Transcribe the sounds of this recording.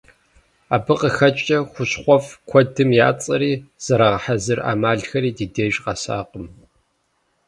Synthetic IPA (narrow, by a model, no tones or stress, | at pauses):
aːbɨqəxɐt͡ʃʼɐxʷʊɕχʷɔfkʷʰɔdɨmja̰ːt͡sʼɐɾiːz̥ɐɾɐʁɐħazɨra̰ːmaːɮxɐɾiːdiːdeːʒʼqɐsa̰ːqəm